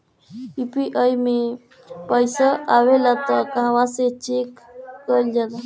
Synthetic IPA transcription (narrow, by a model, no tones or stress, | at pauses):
ipiʔajme | pəjsaʔaʋelat̪əkãʋãset͡ʃekːəld͡ʒat̪a